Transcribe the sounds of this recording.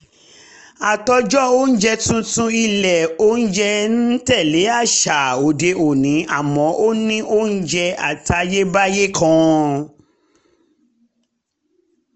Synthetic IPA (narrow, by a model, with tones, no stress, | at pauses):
a˨tɔ˧d͡ʒɔ˦o˦n̩˦d͡ʒɛ˧tũ˧tũ˧i˧lɛ˨o˦n̩˦d͡ʒɛ˦n̩˦tɛ˦˨le˨˦a˦˨ʃa˨o˨de˧o˨nĩ˨˦a˦˨mɔ̃˨˦ʔo˦nĩ˦ʔo˦n̩˦d͡ʒɛ˧a̰˨ta˨˧je˦ba˦je˦kã˧